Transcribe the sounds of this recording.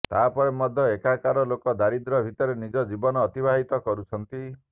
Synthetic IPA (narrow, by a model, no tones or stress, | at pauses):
t̪aːpɔɾemɔd̪ʱjɔekakaɾɔlokɔd̪aɾid̪ɾɔbʱit̪ɔɾenid͡ʒɔd͡ʒibɔnɔːt̪ibʱaɦit̪ɔkɔɾut͡ʃʰɔnt̪i